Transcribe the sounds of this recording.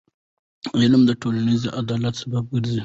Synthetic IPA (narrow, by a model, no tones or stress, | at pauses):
ɪlmd̪əʈolanizʔad̪ɑlat̪sabab̚ɡəɾzi